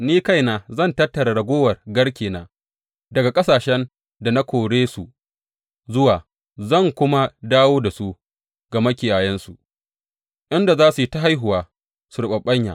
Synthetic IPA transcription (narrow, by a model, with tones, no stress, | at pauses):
niː˦ka˦jnaː˨zɐ˦˨ntɐ˦tːɐ˨ɾa˨ɽɐ˨ɡʷoː˦wɐ˨rɡɐ˦ɽkʲeː˨na̰ː˨ | dɐ˨ɡa˨kʼɐ˦saː˨ʃɛ˦n | da˨na˦kʷoː˨ɽeː˦su˨ | zʊ˦waː˨ | zɐ˦˨ŋkʷʊ˦ma˦daː˦woː˦da˨su˦ | ɡ̥a˨mɐ˦kʲɪ˨jaː˨jɛ˦nsṵ˨ʔ | ʔɪ˦nda˨zaː˦su˨i˦ta˦ɦa˦jɦʊ˨waː˨ | su˨ɾʊ˦ɓɐ˨ɓɐ˦ɲja̰ː˨ʔ